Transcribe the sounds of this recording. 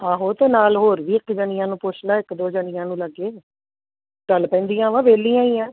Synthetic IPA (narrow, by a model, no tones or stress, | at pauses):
aːɦoːt̪eːnaːlɦoːɾʋiːɪkd͡ʒəɳɪ̃jãːnũːpʊt͡ʃʰlaːɪkd̪oːd͡ʒəɳɪjãːnũːləɡːeː | ʈəlpɛ̃ːnd̪iːãːʋãːʋeːlĩːãːĩːãː